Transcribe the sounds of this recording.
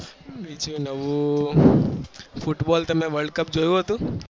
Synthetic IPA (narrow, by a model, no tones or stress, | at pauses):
bid͡ʒũnəʋu | fʰʊʈbɔːlt̪ɐmɛ̃ʋəɾɖkəp̚d͡ʒoːjũɦət̪ũː